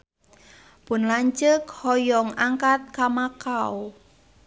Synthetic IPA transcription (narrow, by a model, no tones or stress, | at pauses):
pʊnlaɲt͡ʃəkhɔjɔŋaŋkat̪̚kamakaw